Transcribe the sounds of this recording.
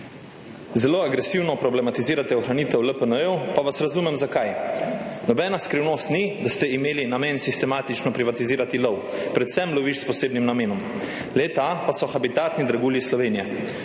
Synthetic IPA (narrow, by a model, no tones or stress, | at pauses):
zɛloːaɡɾɛsiwnɔpɾɔblɛmat̪iziːɾat̪ɛɔxɾaniːt̪ɛwləpənəɛwpaʋasɾazuːmɛmzakaj | nɔbɛːnaskɾiwnoːst̪nid̪ast̪ɛimeːlinameːnsist̪ɛmaːt̪it͡ʃnɔpɾiʋat̪iziːɾat̪ilɔwpɾɛt̪sɛmlɔʋiʃspɔseːbnimnameːnɔm | lɛt̪apasɔxabit̪aːt̪nid̪ɾaɡuːlislɔʋeːnija